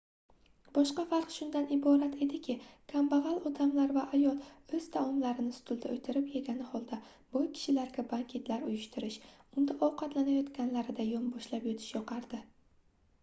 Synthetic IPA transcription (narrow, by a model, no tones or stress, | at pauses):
bɒʃqɑfɑɾqʃʊnd̪anɪbɒɾat̪ʰe̞d̪ɪkʲɪkʰambaʁalˠɒd̪amlaɾvaʔajɒlˠɵz̥t̪ʰamɒmlaɾɪnɪsʊ̥t̪ʰʊlˠd̪aɵjt̪ʰɪɾɪpje̞ɡʲanɪhɒlˠd̪a | b̥ʊjkʲʰɪ̥ʃɪlaɾɡʲabaŋkʲʰe̞t̪ʰlaɾʊjʊʃt̪ʰɪɾɪʃʊnd̪aʔɒwqʰɑt̪lanajɒt̪kʲanlaɾɪd̪ajɒmbɒʃlapjot̪ʰɪ̥ʃjɒqʰɑɾd̪ɪ